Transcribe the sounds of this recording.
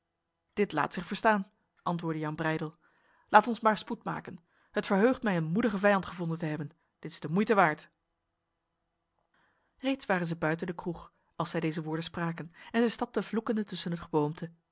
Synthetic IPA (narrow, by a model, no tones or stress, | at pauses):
d̥ɪtla̰ːtsɪχfəɹstaːn | ʔɑntʋʊːɹdəjɑnbrɛjdəlˠ | lʔaːtɔnsmaːɹsputma̰ːkən | hətfəɹɦøɥχtmɛjənmudəχəvɛjɑntχəvɔndəntəɦɛbən | d̥ɪtɪzdəmujtəʋaːɹt | rejtsʋaːrənzəbœɥtəndəkruχ | ɑlˠsɛjdejzəʋʊːɹdənspraːkənɛnzɛjstɑp̚təvlukəndətɵsənɦətχəbowmtʰə